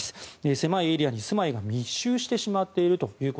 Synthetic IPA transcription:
sɨ̥ese̞maie̞ɾʲiaɲ̟isɨmaiɡamʲiɕːɨːɕi̥t̪e̞ɕimat̪ːe̞iɾɯ̟t̪o̞jɯ̟ːko

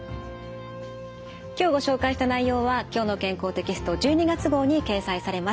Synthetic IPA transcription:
kʲo̞ːɡo̞ɕo̞ːkaiɕi̥t̪anaijo̞ːβakʲo̞ːno̞kẽ̞ŋko̞ːt̪e̞kʲisɨ̥t̪o̞d͡ʑɨːɲ̟iɡat͡sɨɡo̞ːɲ̟ike̞ːsaisaɾe̞ma

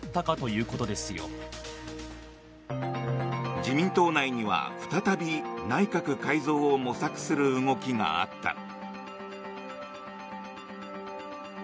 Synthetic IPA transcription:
t̪ːakat̪o̞jɯ̟ːko̞t̪o̞d̪e̞sɨjo̰ | d͡ʑimʲĩnt̪o̞ːnaiɲ̟iβa̰ɸɯ̟̥t̪at̪abʲinaikakɯ̟kaizo̞ːomo̞sakɯ̟̥sɨɾɯ̟ɯŋo̞kʲiŋa̰a̰t̪ːa̰

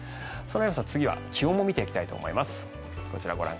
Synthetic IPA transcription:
so̞nojo̞ːsat͡sɨɡʲiβa̰kʲiõmːo̞mʲit̪e̞ikʲi̥t̪ait̪o̞̰ːmo̞̰ḭmasɨ̥ | ko̞t͡ɕiɾa̰ɡo̞ɾʔã̰ŋ

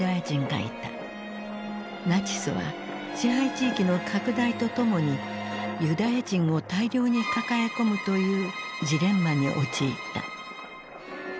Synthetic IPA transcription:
ajad͡ʑĩŋɡa̰ḭt̪a | nat͡ɕi̥sɨβa̰ | ɕĩhɦait͡ɕiːkʲino̞kʰakɯ̟d̪ait̪o̞t̪o̞mo̞ɲ̟i | jɯ̟d̪ajaʑĩŋ̃o̞t̪aiɾʲjo̞ːɲ̟ikakajako̞mɯ̟t̪o̞jɯ̟ːd͡ʑiɾẽ̞mːaɲ̟iʔo̞̰t͡ɕiːt̪ːa̰

